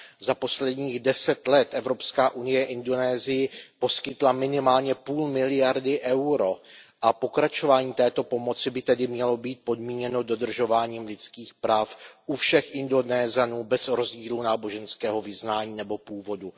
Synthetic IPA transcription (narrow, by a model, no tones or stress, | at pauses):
zapo̞slɛdɲiːɣdɛsɛt̪lɛt̪ʔɛvɾo̞pskaːʔunɪjɛʔɪndo̞nɛːzɪjɪpo̞skɪt̪lamɪnɪmaːlɲɛpuːlmɪlɪjaɾdɪʔɛwɾo̞ʔapo̞kɾat͡ʃo̞vaːɲiːt̪ɛːt̪o̞po̞mo̞t͡sɪbɪt̪ɛdɪmɲɛlo̞biːt̪̚po̞dmiːɲɛnodo̞d̪r̩ʒo̞vaːɲiːmlɪt͡skiːxpɾaːfʔufʃɛxʔɪndo̞nɛːzanuːbɛzɾo̞zɟiːlunaːbo̞ʒɛnskɛːɦo̞vɪznaːɲiːnɛbo̞puːvo̞du